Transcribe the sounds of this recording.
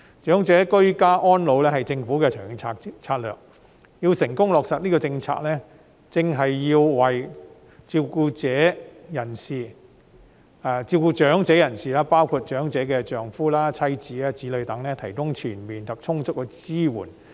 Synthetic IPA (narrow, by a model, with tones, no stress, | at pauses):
t͡ʃœː˨˥ŋt͡sɛː˨˥kɵ˥ɥkaː˥ʔɔː˥nlo˨˧wlɛː˥hɐ˨jt͡sɪ˧ŋfuː˨˥kɛ˧t͡ʃʰœː˨˩ŋɪ˨˧t͡sʰaː˧kt͡sʰaː˧t̚lœ̰ː˨˩k̚ | jiː˧wsɪ˨˩ŋkʊ˥ŋlɔː˨k̚sɐ˨t̚niː˥kɔ˧t͡sɪ˧ŋt͡sʰa̰ː˧k̚lɛː˥ | t͡sɪ˨ŋɦɐ˨jːiː˧wwɐ˨j | t͡siː˧wkuː˧t͡sɛː˨˥jɐ˨˩nsiː˨ | aː˧˩t͡siː˧wkuː˧t͡ʃœː˨˥ŋt͡sɛː˨˥jɐ˨˩nsiː˨laː˥paː˥wkʰuː˨˧t̚t͡ʃœː˨˥ŋt͡sɛː˨˧˥kɛː˧t͡ʃœː˨ŋfuː˥laː˥t͡sʰɐ˥jt͡siː˨˥aː˧t͡siː˨˥lɵ˨˧ɥt̪ɐ˨˥ŋlɛː˥t̪ʰɐ˨˩jkʊ˥ŋt͡ʃʰyː˨˩nmiː˨nt̪ɐ˨p̚t͡ʃʰʊ˥ŋt͡sʊ˥k̚ːɛː˧t͡siː˥wṵː˨˩n